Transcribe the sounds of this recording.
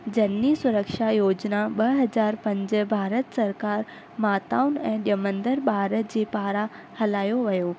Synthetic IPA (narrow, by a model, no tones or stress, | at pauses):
d͡ʑɐnːisʊɾəkʃajoːd͡ʑnaɓɐɦɐd͡ʑaːɾpɐ̃ɲd͡ʑəbʱaːɾət̪sɐɾkaːɾ | maːt̪aʊnɛ̃ːɗijəmə̃nd̪əɾbʱaːɾət̪̚d͡ʑeːpaːɾa | hɐlaːjoʋɐjoː